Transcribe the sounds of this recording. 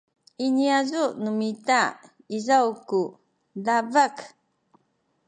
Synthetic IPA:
iniazunumita | izawku | lavak

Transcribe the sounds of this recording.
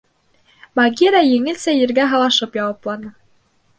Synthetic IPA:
mɑɡʲiɾajɘ̆ŋɘ̆lsæjɘ̆ɾɡæɦɑ̆lˠɑʃɤpjɑwɑplˠɑnɤ

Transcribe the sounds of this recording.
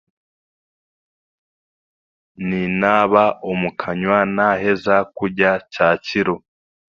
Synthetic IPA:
ninaːβaomukʰaɲwanaɦe̞zakuɟacaːciɾo

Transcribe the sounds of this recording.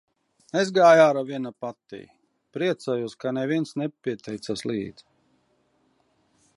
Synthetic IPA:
nezɡaːjaːɾavʲiɛnapat̪ːḭj | pɾiɛt̪saːjuɔskanɛvʲiɛnsnɛpʲiɛt̪ɛjt̪saslḭːd̪z̥

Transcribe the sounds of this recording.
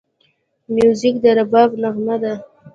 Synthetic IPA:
mjuzik̚d̪əɾabɑbnaɣmad̪a

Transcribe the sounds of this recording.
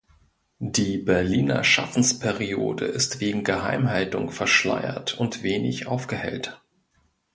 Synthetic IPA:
d̥iːbɛɐliːnɐ̰ʃa̰fn̩spʰɛʁio̰ːdəʔɪstv̥eːɡŋ̩ɡəɦa̰ɪmɦaltʊŋfɛɐʃla̰ɪɐ̰tʰʊntv̥eːnɪ̰çʔa̰ʊfɡ̥əhɛ̰lt

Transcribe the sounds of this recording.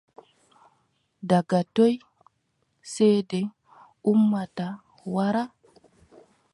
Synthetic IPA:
daɡatoj | sejde | umːata | waɾa

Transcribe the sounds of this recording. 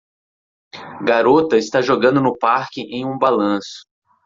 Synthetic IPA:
ɡaɾot̪ɐɪst̪aʒoɡɐ̃nd̪ʊnʊpaɾkɪʔẽj̃ũbalɐ̃sʊ̥

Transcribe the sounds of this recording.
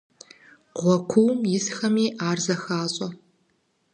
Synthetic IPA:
ʁʷɔkʷʰuːmjɪsxɐmiːʔaːrzɐxaːɕʼɐ

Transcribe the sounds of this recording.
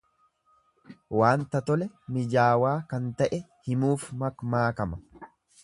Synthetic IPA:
waːnt̪ɐt̪ɔlɛ | mɪd͡ʒaːwaːkɐnt̪ɐʔɛ | hɪmuːfmɐkmaːkɐmɐ

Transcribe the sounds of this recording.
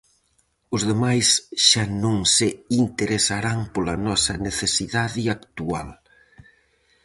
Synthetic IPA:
ʊzðemajsʃanõŋsɪint̪eɾesaɾaŋpolɐnɔsɐneθesiðaðɪakt̪ua̰l

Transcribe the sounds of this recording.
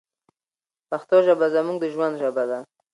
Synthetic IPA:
paxt̪ɔʒabazamuŋɡd̪əʒwand̪ʒabad̪a

